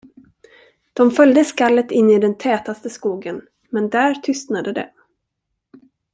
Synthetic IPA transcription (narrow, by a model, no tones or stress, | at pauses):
d̪̥ɔmfœld̪əskalːət̪ɪnːɪd̪ɛnt̪ʰɛːt̪ast̪əskuːɡən | mɛnd̪æːɾt̪ʰʏst̪nad̪əd̪ɛ̰